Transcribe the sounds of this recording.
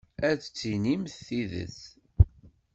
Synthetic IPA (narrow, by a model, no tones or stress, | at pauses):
æt͡st͡sːinimθːiðə̰θ